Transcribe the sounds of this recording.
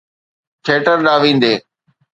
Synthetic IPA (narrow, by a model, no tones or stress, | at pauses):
ʈʰeːʈəɾɗaːʋĩːn̆d̪eː